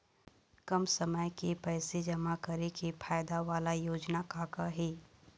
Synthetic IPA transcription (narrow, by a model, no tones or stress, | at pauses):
kɐmsɐməjkepɛːsed͡ʒɐmakɐɾekefʰaːjd̪aʋaːlajoːd͡ʒnakaːkaɦeː